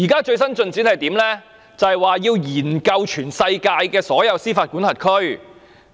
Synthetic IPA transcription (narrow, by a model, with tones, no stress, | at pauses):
jiː˨˩kaː˥t͡ʃɵ˧ɥs̬ɐ˥nt͡ʃɵ˧nt͡siː˨˥nhɐ˨jt̪iː˨˥mlɛː˥ | t͡sɐ˨hjwaː˨˩jiː˧wjiː˨˩nkɐ˧wt͡ʃʰyː˨˩nsɐ˧jkaː˧jkɛː˧sɔː˨˥jɐ˨˧wsiː˥faː˧t̚ku˨˥nhɐ˨t̚kʰɵ˥ɥ